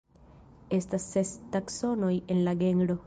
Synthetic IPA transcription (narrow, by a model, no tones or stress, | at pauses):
est̪asːest̪aksonojenlaɡeŋɡɾo